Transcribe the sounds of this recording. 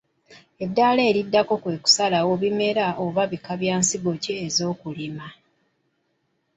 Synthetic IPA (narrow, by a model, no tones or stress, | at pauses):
e̞dːaːleːɾidːako̞kwe̞ːku̥salawo̞βime̞ɾaʔoβaβikaβjaːnsiɡo̞ciːzo̞ːkulima